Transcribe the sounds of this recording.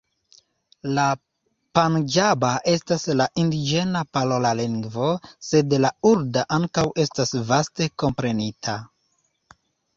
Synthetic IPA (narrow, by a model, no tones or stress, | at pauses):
la | pand͡ʒabaʔe̞staslaʔindid͡ʒe̞napalo̞laliŋɡvo̞se̞dlauɾdaʔaŋkawe̞stasvaste̞ko̞mpɾe̞nitʰa